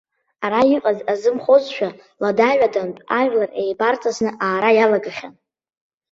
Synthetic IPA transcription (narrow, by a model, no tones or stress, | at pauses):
aɾaiqʼazazɨmχozʃᶣa | ladaɥʷᶣadantʼaʒʷᶣlare̞jbart͡sʼʰaznɨʔaːɾajalaɡaχʲan